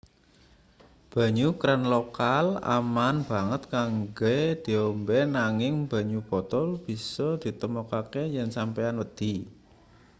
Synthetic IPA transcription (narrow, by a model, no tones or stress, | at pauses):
b̥ä̤ɲukɾanlokala̰manb̥a̤ŋət̪̚kaŋɡed̪̥i̤ombenaŋɪŋb̥ä̤ɲub̥ɔ̤t̪ɔlb̥i̤sɔd̪̥i̤t̪əmɔkakejɛnsampeanwəd̪̥i̤